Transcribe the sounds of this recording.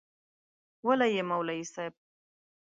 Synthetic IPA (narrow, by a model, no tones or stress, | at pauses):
walajemawlaisajb̚